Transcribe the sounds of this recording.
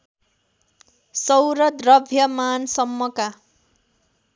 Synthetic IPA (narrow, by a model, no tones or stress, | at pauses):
sʌwɾʌd̪rʌbʱjʌmansʌmːʌka